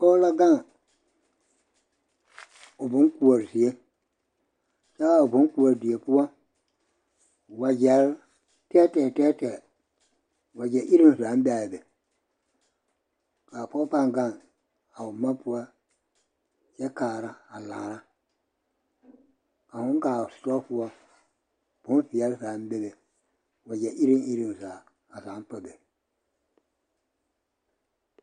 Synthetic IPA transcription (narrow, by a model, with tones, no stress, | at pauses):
pɔ˦la˦ɡa˦˨ŋ | ʊ˨bʊ˨˦ku˨wo˨ɾzi˨e˦ | t͡ʃa˦a˨ʊ˨bʊ˨˦ku˨o˨ɾdi˨e˨pu˦wa˦ | wa˨d͡ʒɛ˨˦ɾ | tɛː˦tɛ˨tɛː˦tɛ˨ | wa˨d͡ʒɛ˨˦ʔi˦ɾi˦n˨sa˨˦m˦ba˨bɛ˨ | ka˨pɔ˦pa˦ŋɡa˦˨ŋ | a˨wu˨ma˦pu˦wa˦ | jɛ˦kaː˨ɾa˦a˨la̰˨ɾa˦ | a˨hʊ̃˦ŋ˦ka˨stɔ˦pu˦a˦ | b̥ʊ˨˦fi˨ja˦lsa˨˦m˦be˦be˨ | wa˨d͡ʒɛ˨ʔi˦ɾi˦ŋʔi˦ɾi˨n˨za˨ | a˨sa˨˦m˦pə˨be˨